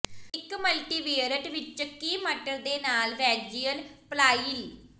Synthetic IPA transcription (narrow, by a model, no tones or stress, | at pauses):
ɪkməlʈiːʋeːɾəʈʋɪt͡ʃkiːməʈəɾd̪eːnaːlʋɛːd͡ʒiːəlplaːil